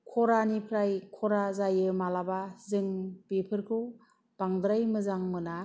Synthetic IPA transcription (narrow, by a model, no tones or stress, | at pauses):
kʰɔɾanipʰɾajkʰɔɾazajɯmalabazɯŋbipʰɯɾkʰu | b̥aŋd̪ɾajmɯzaŋmɯna